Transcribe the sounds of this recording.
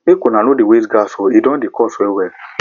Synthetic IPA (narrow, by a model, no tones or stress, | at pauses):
ekonãlõdewesɡasoidɔ̃dekɔsɾiwɛ